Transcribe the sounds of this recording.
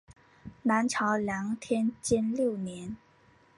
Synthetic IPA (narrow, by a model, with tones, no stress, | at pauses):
na˧˥nʈ͡ʂʰɑ˧˥ʊljɑ˧˥ŋt̪ʰjɛ˥nt͡ɕɛ˥nljo˥˩ʊnjɛ˧˥n